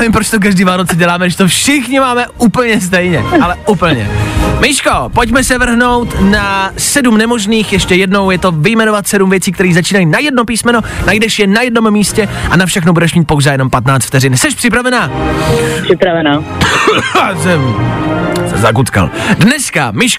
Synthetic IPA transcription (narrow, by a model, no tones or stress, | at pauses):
jɛvimpɾot͡ʃt̪ok̬aʒdiːvaːnot͡sɛɟɛlaːmɛdɪʃt̪ofʃɪxɲɪmaːmɛʔupl̩ɲɛst̪ɛjɲɛalɛʔupl̩ɲɛ̰mɪjʃkopocmɛsɛvr̩ɦno̞wt̪nasɛdumnɛmo̞ʒniːxjɛʃcɛjɛdno̞wjɛt̪o̞vɪjmɛnovat̪sɛdumvjɛt͡siːkt̪ɛɾiːzat͡ʃiːnajnajɛd̚no̞piːsmɛnonajdɛʃjɛnajɛd̚no̞mmiːscɛʔanafʃɛxnobudɛʃmiːt̪̚powzajɛno̞mpat̪naːt͡st̪ft̪ɛɾɪnsɛʃpr̥ɪpɾavɛnaː | pr̥ɪpɾavɛnaː | asɛm | sɛ̰zakut̪ka̰ldnɛska̰mɪʃk